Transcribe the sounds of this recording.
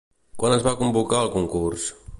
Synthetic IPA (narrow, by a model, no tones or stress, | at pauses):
kwanəzβakumbukaəlˠkuŋkurs